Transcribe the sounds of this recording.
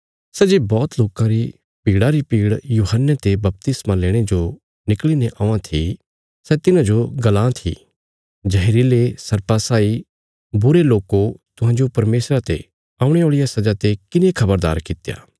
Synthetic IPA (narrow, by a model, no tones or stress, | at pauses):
sɛd͡ʒebɔːt̪loːkãɾi | piːɽaɾipiːɽjuːɦənːet̪ebɐp̚t̪ɪsmãleːɽ̃ed͡ʒo | nɪklineʔãːãt̪ʰi | sɛt̪ɪnãd͡ʒoɡɐlãːt̪ʰḭ | d͡ʒɐɦeɾilesɐɾpasaːi | bʊɾeloːkot̪ʊɦãːd͡ʒopɐɾmeːsɾat̪ḛ | ãːʊ̃ɽ̃eoːɭijasɐd͡ʒat̪ekɪnekʰɐbəɾd̪a̰ːɾkɪt̪ja̰ː